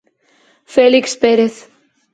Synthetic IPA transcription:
felikspeɾeθ

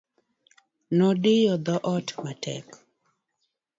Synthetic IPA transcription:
nɔdɪjɔd̪ɔʔɔtmatɛ̰k

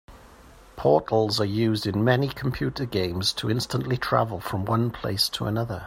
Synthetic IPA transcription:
pʰɔˑʔˡl̩ˠzəjʉːzdɪ̃nmɛnikʰə̃mpʰj̥ʉˑtəɡẽɪ̃mz̥tʰəɪ̃nstə̃nʔlitʰɹ̥a̰vəlˠfɹə̃mwʌ̃npʰl̥ḛɪstʰəə̰nʌðə

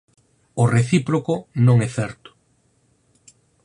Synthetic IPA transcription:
ʊreθipɾokonõŋɛθɛɾt̪ʊ̥

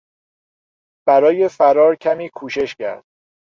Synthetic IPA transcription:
b̥æɾɒːje̞fæɾɒːɾcʰæmiːkʰuːʃe̞ʃcæ̰ɾd̪̥̚

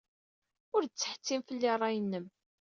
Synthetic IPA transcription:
ʊɾd̪̚t͡sːəħə̥t͡sːimfəlːirˤːɑjənːəm

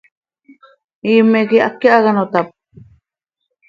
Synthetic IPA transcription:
iːmːekiakːeʔaɣanot̪ap̚

